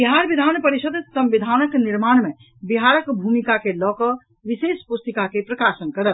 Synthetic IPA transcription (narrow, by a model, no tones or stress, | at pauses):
biɦaɾbid̪ʱanpəɾisəd̪ʱsə̃mʋid̪ʱanəkniɾmanmẽ | biɦaɾəkbʱumikakelɔkə | ʋisespust̪əkakepɾəkasənkəɾət̪